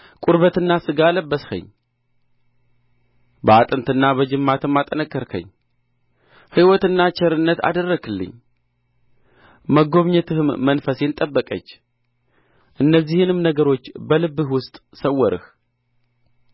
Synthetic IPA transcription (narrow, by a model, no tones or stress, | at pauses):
kʼuɾβət̪ɨnːasɨɡaləbːəshə̰ɲː | bəat̪ʼɨnt̪ʰɨnːabəd͡ʒɨmːat̪ʰɨmːat̪ʼənəkʼːəɾkʰə̰ɲː | hɨwɔt̪ɨnːat͡ʃʰɛɾɨnːət̪a̰d̪ərːəɡɨlːɨ̰ɲː | məɡo̞βɲɛt̪ʰɨhɨmːənfəsjent̪ʼəbːəkʼə̰t͡ʃː | ʔɨnːəzːihɨnɨmnəɡəɾo̞t͡ʃːbəlɨbːɨhwʊst̪ʼsəwːɔɾɨ̰h